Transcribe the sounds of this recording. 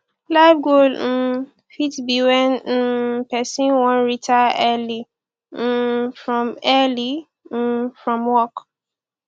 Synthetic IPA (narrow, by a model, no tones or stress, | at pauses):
laɪfɡol̩ | fitbiwɛ̃n̩pɛsĩwɔ̃nɹitaɛli | fɹɔ̃mɛli | fɹɔ̃mwɔk